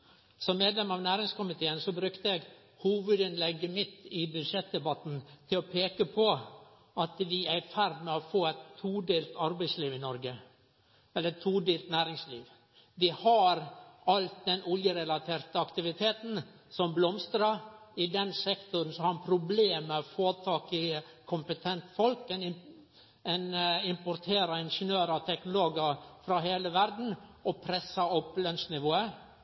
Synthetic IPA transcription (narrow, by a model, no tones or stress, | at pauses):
sɔmːeːd̪lɛmɑʋnæːɾɪŋskʊmɪt̪ʰeːənsɔbɾʉkt̪əɛɡ | huːʋəd̪ɪnlɛɡːəmɪt̪ːɪbʉd̪ʂɛt̪̚d̪ɛbɑt̪n̩t̪ʰɪlɔpʰeːkəpʰɔ | ɑt̪d̪ɪæɪfæɾd̪mɛɔfoːæt̪ʰːuːd̪eːlt̪ɑɾbæɪsliːʋɪnɔɾɡə | ɛləɾɛt̪ʰːuːd̪eːlt̪næːɾɪŋslḭːʋ | d̪ɪhɑɾɑlt̪̚d̪ɛnɔljəɾɛlɑt̪ʰeːɾt̪əɑkt̪ɪʋɪt̪ʰeːt̪n̩ | sɔmblɔmst̪ɾɑɪd̪ɛnsɛkt̪ʊɾən̩sɔhɑɾpʰɾʊbleːmɛfoːt̪ʰɑːkɪ | kʰʊmpət̪ʰɛnt̪fɔlkɛn | ɛnɪmpʊɾt̪ʰeːɾɑɪnʂənøːɾɑt̪ʰɛknʊloːɡɑfɾɑɦeːləʋæɾd̪n̩ɔpʰɾɛsːɑɔpːlœnsnɪʋoːə